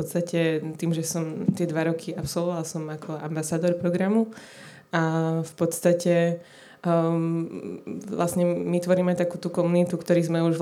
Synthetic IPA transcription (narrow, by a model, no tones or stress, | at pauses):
ɔt̪st̪acɛt̪iːmʒɛsɔmt̪ɪɛd̪ʋaɾɔkʰiapsɔlʋɔʋalsɔmakʰɔa̰mbasaːd̪ɔɾpɾɔɡɾamu | afpɔt̪st̪acɛ | lʔasɲɛmit̪ʋɔɾiːmɛt̪akuːt̪ukɔmunit̪ukt̪ɔɾiːzmɛuʒʋ